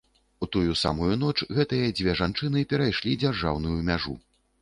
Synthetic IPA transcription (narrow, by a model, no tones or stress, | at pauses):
ut̪ujusa̰mujunɔt͡ʂɣɛt̪ɨjɐd͡zʲvʲɛʐant͡ʂɨnɨpʲɛɾajʂlʲid͡zʲarʐa̰wn̪ujumʲaʐṵ